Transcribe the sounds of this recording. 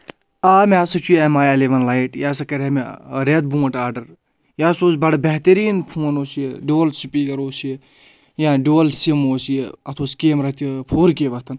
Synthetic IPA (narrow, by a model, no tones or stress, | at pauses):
aːmeɐsɐt͡ʃʰujemaːjɐleʋɐnlaiʈjaːsɐkɐɾʲemeɾed̪̚bũːʈaːɖɐɾ | jaːsoːsbɐɽɐbeɦt̪ɐɾiːnpʰũːnoːsijeɖoːlsipiːɡɐɾoːsije | jãːɖoːlsimoːsijeɐt̪ʰoːskeːmɾɐt̪ʰʲipʰoːɾkiʋɐt̪ʰɐn